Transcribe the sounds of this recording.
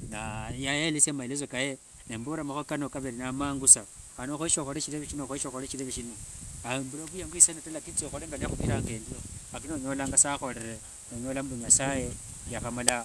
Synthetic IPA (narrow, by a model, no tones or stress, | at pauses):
najajelisemailez̬okaje | nembuɾamaxokanokaβeɾinamaːŋɡusaanoxoiʃoxoɾet͡ʃiɾeβeʃinoxoiʃoxoɾet͡ʃiɾeβeʃinoambuloβujaŋɡwisanatalakit͡soxoɾeŋɡaliaxukiɾaːŋɡe̞ːndioak̬inoɲo̞laːŋɡasaxo̞leɾe | noɲo̞ːlambuɲasaje̞jaxamala